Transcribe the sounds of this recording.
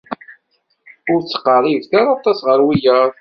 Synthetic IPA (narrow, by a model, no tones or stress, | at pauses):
ʊɾt͡sːə̥qːərˤivθaɾˤɑt̪ˤɑsʁəɾwijəɾˤ